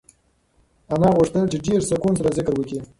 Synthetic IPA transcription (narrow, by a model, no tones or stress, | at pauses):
amɑɣʊʂt̪əlt͡ʃeɖeɾsʊkuns̬aɾazɪkɾwəki